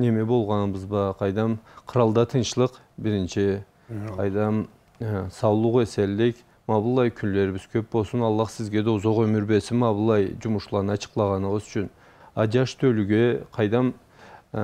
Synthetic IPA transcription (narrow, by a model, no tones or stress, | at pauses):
ne̞me̞bo̞lˠʁɑnbəzbɑqʰɑjd̪ɑmqʰəɾɑlˠd̪ɑt̪ʰənʃəlˠəq | bɪɾɪnʃɪ | qʰɑjd̪ɑm | sɑwlˠuʁɑeselːekʲ | mɑbəlˠɑjkʲʰʏnlːe̞ɾɪbɪz̥kʲʰøp̚bo̞lˠsənɑlˠːɑχsɪzɡʲe̞d̪euzoʁømʏɾbe̞sɪnmɑbəlˠɑjd͡ʒʊmʊʃlˠɑɾnəɑt͡ʃʰə̥qlˠɑʁɑnəʁəzʏt͡ʃʰʏn | ɑd͡ʒɑʃt̪ʰɵlyɡʲeqʰɑjd̪ɑm